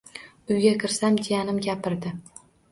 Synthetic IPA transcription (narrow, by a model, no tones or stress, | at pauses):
ʊjɡʲakʲʰɪɾsamd̪ejanɪmɡʲapɪɾd̪ɪ